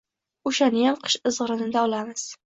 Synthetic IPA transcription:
oʃanɪjamqʰɨ̥ʃɨzʁɨɾɪnɪd̪aɒlamɪz̥

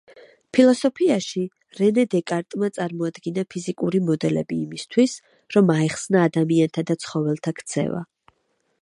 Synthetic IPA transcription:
pʰilˠɔsɔpʰiaʃi | ɾɛnɛd̪ɛkʼaɾt̪ʼmat̪sʼaɾmɔad̪ɡinapʰizikʼuɾimɔd̪ɛlɛ̰biːmist̪ʰwis | ɾɔmaɛχsnaːd̪amiant̪ʰad̪at̪sʰχɔvɛlˠt̪ʰakʰt̪sʰɛ̰va̰

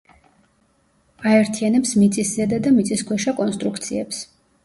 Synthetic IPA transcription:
aɛɾt̪ʰianɛpsmit̪sʼiszɛd̪ad̪amit̪sʼiskʰwɛʃakʼɔnst̪ʼɾukʰt̪sʰiɛps

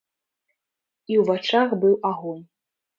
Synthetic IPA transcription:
iwvat͡ʂaxbɨwaɣɔn

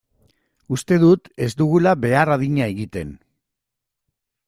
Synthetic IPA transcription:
ust̪e̞ðut̪e̞zd̪uɣulabe̞araðiɲae̞ɣit̪e̞̰n

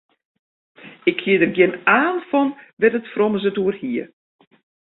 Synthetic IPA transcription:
ɪkʰhiədərɡjɪnaːnfɔnʋɛtətfrɔməzətuərhiə

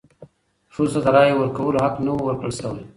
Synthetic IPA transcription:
fusad̪aɾɑjewəɾkawəloɦaknawowəɾkɽəlsawaj

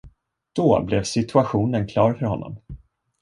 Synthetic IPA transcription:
d̪̥ɔblɛvsɪt̪ʰɵaɧuːnənkʰlɑːɾfœɾhɔnːɔ̰m

